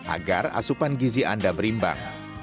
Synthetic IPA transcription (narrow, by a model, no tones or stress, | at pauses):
ʔa̰ɡara̰supanɡiziʔandabəɾimba̰ŋ